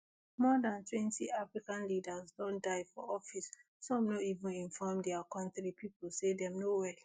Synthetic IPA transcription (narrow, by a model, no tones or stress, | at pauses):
mɔdãntwɛ̃ntiʔafɹikãnlidazdɔ̃ndaɪfɔ̰ɔfis | sɔ̃mnoivũnĩnfɔmdɛakɔ̃ntɹipʰipl̩sedɛ̃mnowɛl